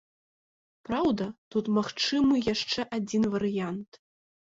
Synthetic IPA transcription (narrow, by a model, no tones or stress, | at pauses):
pɾawd̪ɐt̪ut̪maxt͡ʂɨmɨjaʂt͡ʂɛʔad͡zʲinvɐɾɨjant̪